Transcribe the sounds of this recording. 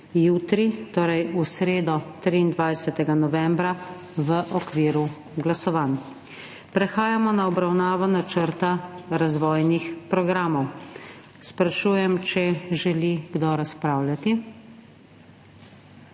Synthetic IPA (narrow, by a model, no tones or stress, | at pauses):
juːt̪ɾit̪oːɾɛjusɾeːd̪ɔt̪ɾiːnd̪ʋajsɛt̪ɛɡanɔʋɛ̃mbɾa | ʋəʔɔkʋiːɾu | ɡlasɔʋaːn | pɾɛxaːjamɔnaɔbɾawnaːʋɔnat͡ʃəɾt̪aɾazʋɔːjnixpɾɔɡɾaːmɔw | spɾaʃuːjɛmt͡ʃɛʒɛliɡd̪ɔɾaspɾaːwlʲjat̪i